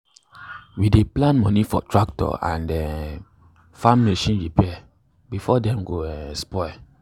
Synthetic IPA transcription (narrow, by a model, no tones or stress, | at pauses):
wideplãnmɔ̃nifɔtɹak̚tɔ̰ã̰ndɛ | fãmːeʃĩnɹipʰɛ | bifɔdɛ̃mɡospɔ